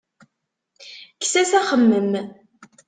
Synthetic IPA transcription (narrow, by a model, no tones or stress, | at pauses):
ksæsæχəmːəm